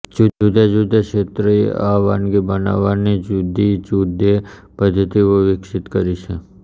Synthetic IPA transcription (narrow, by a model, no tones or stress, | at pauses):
d͡ʒuud̪ad͡ʒud̪ʱakʃet̪ɾəḛʔaʋanɡibəna̰ʋanid͡ʒud̪ʱid͡ʒud̪ʱepəd̪ʱːət̪iʋəʋɪkʃɪt̪kəɾit͡ʃʰe